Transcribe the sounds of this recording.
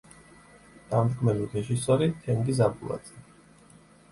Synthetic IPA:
d̪̥amt̪kʰmɛliɾɛʒisɔɾit̪ʰɛŋɡizabulˠa̰d̪z̥ɛ

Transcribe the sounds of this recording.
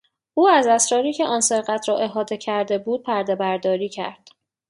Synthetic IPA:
ʔuːæzæsɾɒːɾiːcʰeʔɒːnse̞ɾɣæt̪ʰɾɒːʔe̞ɦɒːd̪e̞cʰæɾd̪e̞buːd̪̚pʰæɾd̪e̞bæɾd̪ɒːɾiːcʰæ̰ɾd̪̥

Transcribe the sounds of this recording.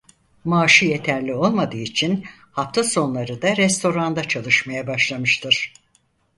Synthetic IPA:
maːʃɯje̞t̪ʰæɾlʲio̞lˠmad̪ɯːit͡ʃʰin | haft̪ʰaso̞nlˠaɾɯd̪aɾɛst̪ʰo̞ɾand̪at͡ʃʰalˠɯʃmajabaʃlˠamɯʃt̪ʰɯɾ̥

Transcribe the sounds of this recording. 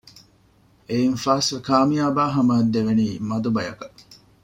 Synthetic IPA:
einfaːsʋekaːmijaːbaːɦɐmɐɦɐd̪ːeʋeniːmɐd̪ubɐjɐ̰kɐ

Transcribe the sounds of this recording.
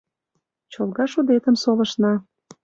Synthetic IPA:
t͡ɕolɣɑʃud̪et̪əmsolə̆ʃnɑ

